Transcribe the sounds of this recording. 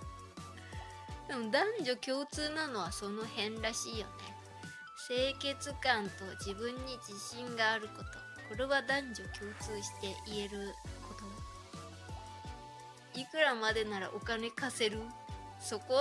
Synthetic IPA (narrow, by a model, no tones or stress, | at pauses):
d̪e̞mo̞d̪ãɲ̟d͡ʑo̞kʲo̞ːt͡sɨːnano̞β̞aso̞no̞hẽ̞nɾaɕiːjo̞ne̞̰ | se̞ːke̞t͡sɨkãnt̪o̞d͡ʑibɯ̟̃ɲ̟ːid͡ʑiɕĩŋɡaːɾɯ̟ko̞t̪o̞ | ko̞ɾe̞βad̪ãɲd͡ʑo̞kʲo̞ːt͡sɨːɕi̥t̪e̞ʔie̞ɾɯ̟ko̞t̪o̞ | ikɯ̟ɾamad̪e̞naɾa̰ʔo̞kane̞kase̞ɾɯ̟so̞ko